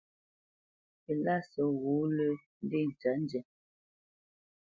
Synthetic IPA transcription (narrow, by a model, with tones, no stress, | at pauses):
e˨la˦˨sɔ˨ɣu˨˦lə˦n̩˦de˦˨n̩˨t͡ʃa˨˦n̩˦d͡ʒɛ˨